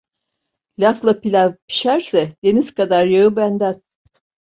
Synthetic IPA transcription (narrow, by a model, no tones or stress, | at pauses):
lʲaflˠapilʲapʰi̥ʃæɾsɛd̪̥eniz̥kʰad̪aɾjaɯbænd̪æn